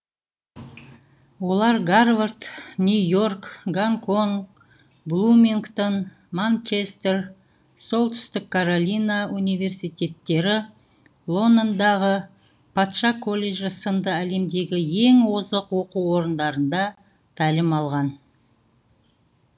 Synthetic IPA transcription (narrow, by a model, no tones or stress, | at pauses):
wo̞lˠɑɾɡaɾvart̪nʲujo̞rkɡaŋkʰo̞ŋ | blˠumʲiŋkt̪on | mant͡ʃest̪er | so̞lˠt̪ʏ̥st̪ɪkʰːaɾolʲijnaunijve̞rsijt̪ʲe̞t̪ːe̞ɾɪ | lˠo̞nd̪ond̪ɑʁə | pʰɑt̪ʃɑkʰo̞lʲːe̞ʒəsənd̪əæle̞md̪e̞ɡʲɪje̞ŋwo̞zəqwo̞quo̞ɾənd̪ɑɾənd̪ɑ | t̪ʰælɪmɑlˠʁɑn